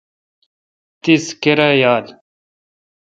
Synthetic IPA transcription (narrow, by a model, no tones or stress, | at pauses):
t̪iskeɾɐjaːl